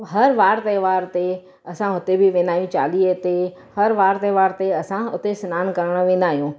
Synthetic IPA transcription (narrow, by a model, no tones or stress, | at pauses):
ɦɐɾʋaːɾt̪ɐɦʋaːɾt̪e | ɐsãɦʊt̪ebʱɪʋẽːnd̪aːɦijũt͡ɕa̰ːliːt̪e | hɐɾʋaːɾt̪ɐʋaːɾt̪eɐsãʊt̪esɪnaːnkɐɾəɽ̃ə̆ʋẽːnd̪aːɦijũː